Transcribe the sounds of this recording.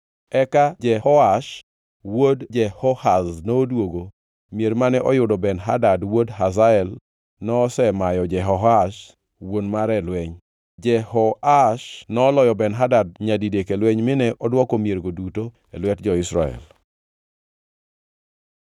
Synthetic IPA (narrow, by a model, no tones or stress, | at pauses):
ɛkad͡ʒɛhɔaʃ | wodd͡ʒɛhɔhaznoːdwoɡo | mjeɾmanɛʔɔjʊdɔbɛnɦa̰dadwodɦazaɛl | nɔːsɛmajɔd͡ʒɛɦɔɦaʃ | wonmaɾɛlwɛɲ | d͡ʒɛhɔaʃnɔːlɔjɔbɛnɦadad̚ɲadidekelwɛɲmɪnɛʔɔdwɔkomjeɾɡoduto | elwɛtd͡ʒɔɪsɾa̰ɛ̰l